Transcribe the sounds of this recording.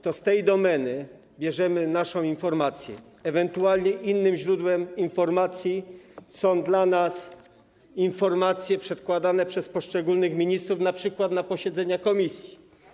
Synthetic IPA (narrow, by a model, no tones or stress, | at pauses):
t̪ɔst̪ɛjd̪ɔmɛnɘ | bʲjɛʐɛmɘnaʂɔ̃w̃infɔɾmat̪sʲjɛ̰ː | vɛnt̪ualɲɛʔinːɘmʑɾud̪wɛminfɔɾmat̪sʲjisɔ̃w̃d̪lanas | infɔɾmat̪sʲjɛpʂɛt̪kwad̪anɛpʂɛspɔʂt͡ʂɛɡulnɘxmʲiɲist̪ɾufnapʂɘkwad̪napɔɕɛd̪zɛɲakɔmʲisʲji